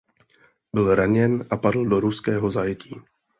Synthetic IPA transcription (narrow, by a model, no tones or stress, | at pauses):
bɪlɾaɲɛnʔapadl̩do̞ɾuskɛːɦo̞zajɛciː